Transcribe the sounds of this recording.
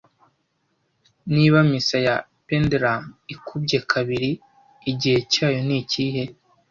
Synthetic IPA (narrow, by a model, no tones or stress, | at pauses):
niβamisaja | pendɾamikʰubɟekʰaβiɾiː | ɟihe̞caːjo̞niciːɦe̞